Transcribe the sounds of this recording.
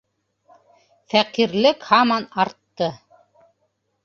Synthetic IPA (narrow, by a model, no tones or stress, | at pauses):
fæqiɾlɘkhɑmɑnɑɾt̪ːɤ